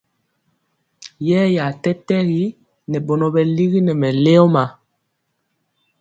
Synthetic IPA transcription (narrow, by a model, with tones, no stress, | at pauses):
jɛː˦ja˨tɛ˦tɛ˦ɣi˦ | nɛ˨ɓɔ˨nɔ˨bɛ˨li˦ɣi˦nɛ˨mɛ˨le˦ɔ˦ma˨